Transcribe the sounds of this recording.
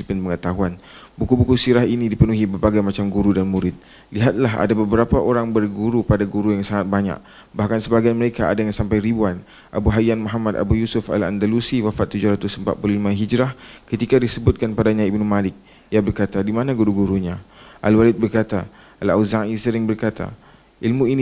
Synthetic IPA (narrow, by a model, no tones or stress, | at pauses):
ipɪnpəŋət̪aɦuan | bukubukusiɾaɦinĩdipənuɦibərbaɡajmat͡ʃamɡuɾudanmuɾɪt̪̚ | liɦat̪̚laɦa̰dabəbəɾapaʔoɾaŋbərɡuɾupadaɡuɾujaŋsaŋat̪̚baɲa̰k̚ | bahkansəbaɡianməɾekaa̰daŋansampajɾibuan | ʔabuɦajanmɔɦamad̪a̰bujusʊfa̰la̰ndalusiwafat̪ːud͡ʒʊhɾat̪ʊsəmba̰ʔ̚pululimãɦid͡ʒɾahkət̪ikadisəbʊt̪̚kanpadaɲãibnumalɪk̚ | jabərkat̪adimanãɡuɾuɡuɾuɲãʔa̰lwalɪt̪̚bərkat̪a | alawzaŋisəɾɪŋbərkat̪a̰ | ʔilmũin